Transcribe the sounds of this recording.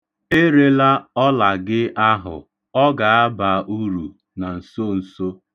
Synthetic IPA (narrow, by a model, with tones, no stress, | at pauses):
e˦ɾe˦la˦ɔ˦la˨ɡɪ˦ʔa˦ɦʊ̰˨ | ɔ˦ɡa˨a˦ba˨ʔu˦ɾu˨ | na˨n̩˨so˦n̩˨so˦